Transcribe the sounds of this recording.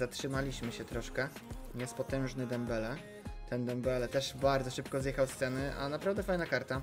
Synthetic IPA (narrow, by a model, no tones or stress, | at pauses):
zatʂɘmalʲiɕmɘɕɛt̪ɾɔʂkɛɲɛspɔt̪ɛw̃ʐnɘd̪ɛmbɛlɛ | t̪ɛnd̪ɛmbɛlɛt̪ɛʂbaɾd̪zɔʂɘpkɔzjɛxawst̪sɛnɘʔa̰napɾavd̪ɛfajnakaɾt̪a